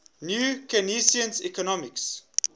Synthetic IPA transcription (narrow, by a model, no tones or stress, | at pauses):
njuːkɛnisiə̃nsikɔnɔmiks